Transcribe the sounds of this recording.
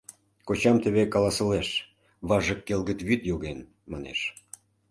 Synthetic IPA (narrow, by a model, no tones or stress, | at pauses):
kot͡ɕɑmt̪əβekɑlɑsə̆leʃ | βɑʒəkːelɣət̪βyt̪joɣen | mɑnḛʃ